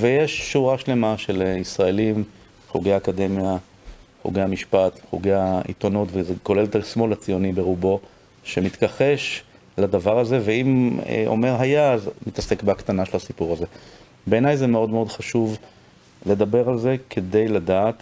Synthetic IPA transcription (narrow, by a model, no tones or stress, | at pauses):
vejeʃːuʁaʃle̞maʃe̞lisʁae̞lim | χuɡejaːkad̪e̞mja | χṵɡejamiʃpat̪χuɡejaḭt̪o̞not̪vezeko̞lelt̪alsmo̞lat͡sijo̞nibe̞ʁubo̞ | ʃe̞mit̪kaχeʃ | lad̪avaʁaze̞veim̰ʔo̰me̞ʁɦajaːzmit̪ase̞kbakt̪anaʃelhasipuʁaze̞ | be̞ːnajzemeo̞d̪meod̪χaʃuv | le̞dabe̞ʁalze̞kʰe̞d̪e̞jlad̪aːt̪